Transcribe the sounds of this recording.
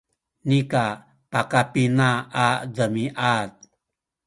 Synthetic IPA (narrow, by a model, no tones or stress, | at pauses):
nika | pakapinaːdəmiʔat̚